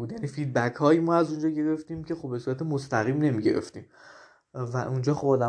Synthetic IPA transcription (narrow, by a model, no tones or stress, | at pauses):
uːd̪jæniːfid̪̚bækʰhɒːjimɒːæzund͡ʒɒːɟe̞ɾe̞ft̪iːmcʰe̞xobbe̞suːɾæt̪ʰemost̪æɣiːmne̞miɟe̞̰ɾe̞̰ft̪iːm | væʔund͡ʒɒːxo̞bɒːd̪æ